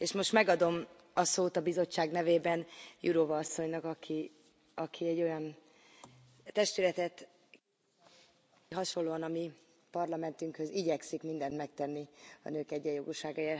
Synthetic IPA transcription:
eːʃmo̞ʃt̪mɛɡɒd̪o̞m | ɒsoːt̪ɒbizo̞t͡ʃːaːɡnɛveːbɛnjʔuɾovɒɒsːo̞ɲnɒkɒkʰi | ɒkʰiɛɟːo̞jɒn | t̪ɛʃt̪ylɛt̪ɛt̪ | ɦɒʃo̞lːoːɒnɒmi | pɒrlɒmɛnt̪yŋkhø̞ziɟɛksikmind̪ɛnt̪mɛk̚t̪ɛnːiɒ̰nøːkɛɟːɛjoɡuʃaːɡɒeːr

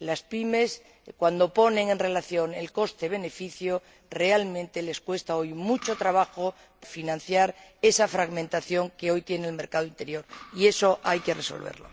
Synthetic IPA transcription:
laspime̞s | kwand̪o̞po̞nẽ̞ŋe̞nre̞laθjo̞ŋe̞̰lko̞st̪eβ̞e̞ne̞fiθjo | re̞almẽ̞nt̪e̞le̞skwe̞st̪aojmut͡ʃo̞t̪ɾaβ̞axo | finãnθjaɾe̞safɾaɣmẽnt̪aθjo̞ŋkeo̞jt̪je̞nelme̞ɾkað̞oint̪e̞ɾjo̞ɾie̞so̞ʔajke̞reso̰lβḛɾlo̞̰

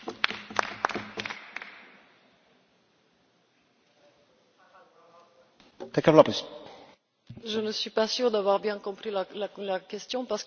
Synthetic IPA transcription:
t̪ɛkavlapis | ʒənəsɥipasyʁd̪avwaʁbjɛ̃kɔ̃pχillalakɛst̪jɔ̃paʁsə̥

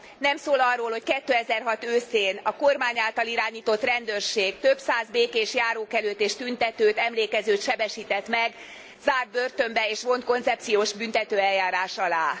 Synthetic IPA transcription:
nɛmsoːlɒrːoːlho̞ckɛt̪ːøːɛzɛrɦɒt̪øːseːnɒko̞rmaːɲaːlt̪ɒliɾaːɲiːt̪o̞t̪rɛnd̪øːrʃeːɡ̚t̪ø̞bsaːzbeːkeːʃjaːɾoːkɛløːt̪ːeːʃt̪ynt̪ɛt̪øːt̪ɛmleːkɛzøːt̪ʃɛbɛʃiːt̪ɛt̪mɛɡ | zaːrd̪̚bø̞rt̪ømbɛeːʃvo̞nt̪̚ko̞nt̪sɛp̚t̪sijoːʒbynt̪ɛt̪øːɛljaːɾaːʃɒlaː

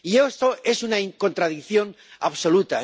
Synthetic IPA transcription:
iest̪oe̞sunaiŋko̞nt̪ɾaðikθjo̞n | a̰βso̞lut̪a

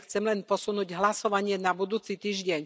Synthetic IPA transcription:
xt͡sɛmlɛnpɔsunuːɟɦlasɔʋaɲɪɛnabud̪uːt͡sit̪iːʒɟɛɲ

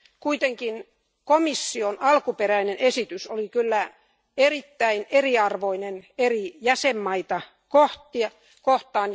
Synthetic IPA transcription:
kuit̪eŋkin | komisːionɑlkuperæinenesit̪ysolikylːæ | erit̪ːæineriɑrʋoinenerijæsemːɑit̪ɑ | koht̪iɑ | koht̪ˑɑːn

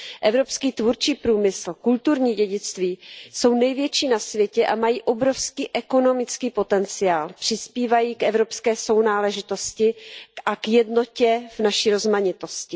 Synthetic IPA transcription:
ʔɛvɾopskiːt̪vuɾt͡ʃiːpɾuːmɪsl̩kult̪uɾɲiːɟɛɟɪt͡st̪viːso̞wnɛjvjɛt͡ʃiːnasvjɛcɛʔamajiːʔo̞bɾo̞fskiːʔɛko̞no̞mɪt͡skiːpo̞t̪ɛnt͡sɪaːlpr̝̥ɪspiːvajiːkʔɛvɾo̞pskɛːso̞wnaːlɛʒɪt̪o̞scɪʔakjɛdno̞cɛvnaʃiːɾo̞zmaɲɪt̪o̞scɪ

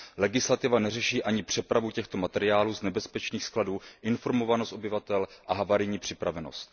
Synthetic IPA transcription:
lɛɡɪslat̪ɪvanɛrɛʃiːʔaɲɪpr̝̥ɛpɾavucɛxt̪o̞mat̪ɛɾɪaːluːznɛbɛspɛt͡ʃniːxskladuːʔɪnfo̞ɾmo̞vanost̪o̞bɪvat̪ɛlʔaɦavaɾɪɲiːpr̝̥ɪpɾavɛno̞̰st̪̚

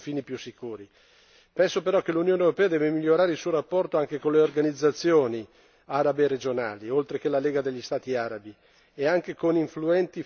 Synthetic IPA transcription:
fiːnipjusːikuːɾi | pɛnsopeɾɔkːelunjoːnewɾopɛːad̪ɛːvemiʎːoɾaːɾeilsuoɾapːɔrt̪oaŋk̟ekoleorɡanid̪zːat̪sːjoːni | aɾabered͡ʒona̰ːliolt̪ɾek̟elaleːɡad̪eʎːist̪aːt̪iaːɾabi | eaŋk̟ekoniɱfluɛnt̪i

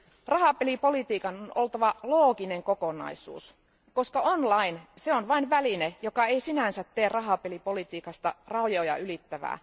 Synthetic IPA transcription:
rɑɦɑˑpelipo̞lit̪iːkɑnonolt̪ɑʋɑloːkineŋkokonɑ̰isṵːs | ko̞skɑonlɑinseonʋɑinʋælinejokɑeisinænsæt̪teːrrɑɦɑpelipo̞lit̪iːkɑst̪ɑ̰rɑujojɑ̰ʔylit̪ːæʋæ̰ː

